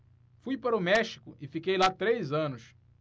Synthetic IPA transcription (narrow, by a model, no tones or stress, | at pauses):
fujpaɾʊmɛʃi̥kʊʔɪfikejlat̪ɾejzɐ̃nʊs